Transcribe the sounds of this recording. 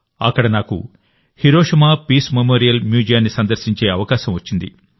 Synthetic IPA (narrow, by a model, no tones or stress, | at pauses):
ɐkːɐɽɐnaːkṵ | hiɾoːʃɐmaːpiːsmemoːɾijɐlmjuːd͡ʒijaːnːisɐnd̪ɐɾsiɲt͡ʃeːɐʋɐkaːʃɐmʋɐt͡ʃːind̪ḭ